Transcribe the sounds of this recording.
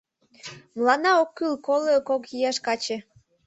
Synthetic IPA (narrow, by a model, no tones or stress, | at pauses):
mlˠɑnɑokːylkolˠekokjijɑʃkɑt͡ɕĕ